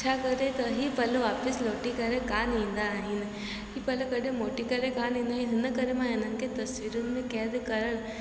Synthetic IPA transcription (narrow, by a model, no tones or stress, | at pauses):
t͡ʃʰakɐɾet̪ɐɦipɐloʋaːpəsloːʈikɐɾekaːnĩːnd̪aːɦɪnɪ | ɦipɐlokɐɽʱẽmoːʈikɐɾẽkaːnĩːnd̪aːɦiɦɪnəkɐɾemãɦɪnənɪkʰet̪ɐsʋiːɾʊnɪ̆mẽkɛːd̪kɐɾəɽ̃